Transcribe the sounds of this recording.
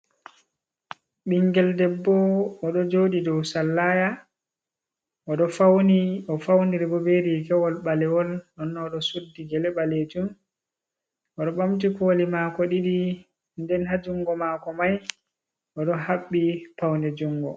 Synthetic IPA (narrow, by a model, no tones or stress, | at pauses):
ɓiŋɡɛldɛbːɔɔɗɔd͡ʒoɗidɔwsalːaja | ʔɔɗɔfawniɔfawndiɾɛbɔbeɾikɛwɔlɓalɛwɔlɗɔnːɔɗɔsudːiɡɛlɛɓaled͡ʒum | ʔɔɗɔɓamt̬ikolimakɔɗiɗi | ndɛnhad͡ʒuŋɡɔmaːkɔmaj | ʔɔɗɔhaɓːipawndɛd͡ʒuŋɡɔ̰